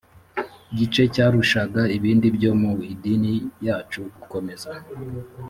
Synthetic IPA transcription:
ɟit͡ʃe̞caːɾuʃaɡaiβiːndibɟo̞muidinijaːt͡ʃuɡuko̞me̞za

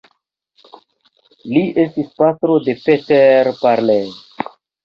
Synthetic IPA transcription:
liʔe̞stispatɾo̞de̞peteɾpaɾle

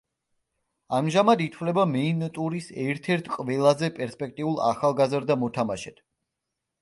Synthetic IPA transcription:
amʒamad̪it̪ʰvlɛbamɛint̪ʼuɾisɛɾt̪ʰɛɾt̪ʰkʼvɛlˠazɛpʼɛɾspʼɛk̚t̪ʼiulˠa̰χalˠɡazɾd̪amɔt̪ʰamaʃɛt̪ʰ

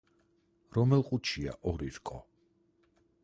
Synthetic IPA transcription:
ɾɔmɛlˠqʼut͡ʃʰia̰ʔɔɾiɾkʼɔ

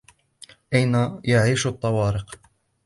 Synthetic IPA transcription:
ʔajnajaʕiːʃt̪ˤːɑwɑːɾɪq

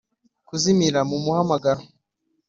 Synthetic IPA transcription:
kuzimiɾamumuhamaɡaɾo

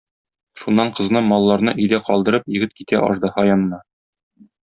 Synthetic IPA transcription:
ʃunːɑɴqɤ̆znɤmɒlˠːɑɾnɤʔɵ̆jd̪æqɒlˠd̪ɤ̆ɾɤpjɘ̆ɡɘt̪̚kit̪æʔɒ̰ʃd̪ɤhɒjɑnɤ̆nɑ

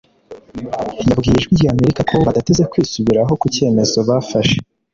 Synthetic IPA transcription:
jabɡiːjeʒɡwiɾɟaːme̞ɾikakoβadate̞zekwiːsuβiɾaɦo̞kuce̞ːme̞zo̞βafaʃe̥

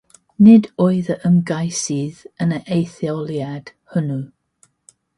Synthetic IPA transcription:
nɪdɔɨðəʔəmɡajsiðənəʔejθjɔlˠjad̥hʊnu

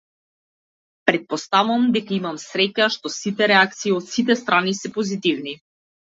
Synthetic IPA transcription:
pɾɛt̪̚pɔst̪avuamd̪ɛkaimamsɾɛcaʃt̪ɔsit̪ɛɾɛak̚t̪siːɔt̪sit̪ɛst̪ɾanisɛpɔzit̪ivni

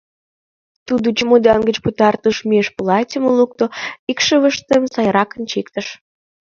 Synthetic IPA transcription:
t̪ud̪ut͡ɕəmod̪ɑnɡət͡ɕput̪ɑrt̪əʃmeʃpulɑtʲəməluk̚t̪oikʃəβəʃt̪əmsɑjɾɑkənt͡ɕikt̪əʃ

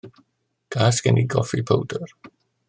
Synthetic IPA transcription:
ɡ̥aːsɡ̥ɛniɡɔfipʰəwdər

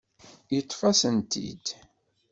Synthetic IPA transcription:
jət̪ˤːfɑsənt̪ḭd̪

